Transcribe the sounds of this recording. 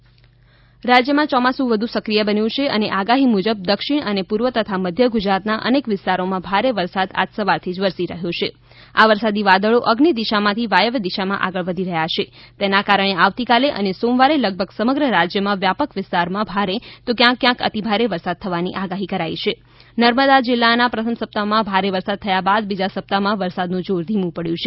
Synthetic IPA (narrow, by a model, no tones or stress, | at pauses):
ɾad͡ʒjəmãt͡ʃɔmasũʋəd̪ʱusəkɾijəbənjũt͡ʃʰeəneʔaɡaɦimud͡ʒəb̚d̪əkʃiɽənepuɾʋət̪ət̪ʰaməd̪ʱjəɡud͡ʒɾat̪naʔə̰nekʋɪst̪aɾomãbʱaɾeʋəɾsad̪a̰d͡ʒsəʋaɾt̪ʰid͡ʒʋəɾsiɾəɦjõt͡ʃʰe | aʋəɾsad̪iʋad̪əɭoʔəɡnid̪iʃamãt̪ʰiʋajəʋd̪iʃamã̰ʔaɡəɭʋəd̪ʱiɾəɦjat͡ʃet̪enakaɾəɽ̃eaʋt̪ikaleʔə̰nesomʋaɾeləɡ̚bʱəɡsəməɡɾəɾad͡ʒjəmãʋjapəkʋɪst̪aɾmãbʱaɾet̪okjãkːjãkə̰t̪ibʱaɾeʋəɾsad̪̚t̪ʰəʋaniʔaɡaɦikəɾait͡ʃʰe | nəɾməd̪ad͡ʒɪlːanapɾət̪ʰəmsəp̚t̪amãbʱaɾeʋəɾsad̪̚t̪ʰəjabad̪̚bid͡ʒasəp̚t̪amãʋəɾsad̪nũd͡ʒoɾd̪ʱimũpəɽjũt͡ʃʰe